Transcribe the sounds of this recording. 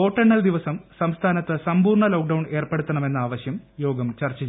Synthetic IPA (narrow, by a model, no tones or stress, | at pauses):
o̞ːʈːɐɳːɐld̪iʋɐsɐmsɐmst̪ʰaːnɐt̪ːɨsɐmbuːrɳɐlo̞ːk̚ɖɐwɳe̞ːrpeɽut̪ːɐɳɐme̞nːɨaːʋɐɕjɐmjo̞ːɡɐmt͡ɕɐrt͡ɕːɐ